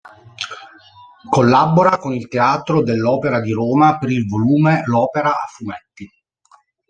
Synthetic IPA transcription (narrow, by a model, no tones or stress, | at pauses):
kolːaboɾakonilt̪eaːt̪ɾod̪elːɔːpeɾad̪iɾoːmapeɾilvoluːmelɔːpeɾaːfːumet̪ːi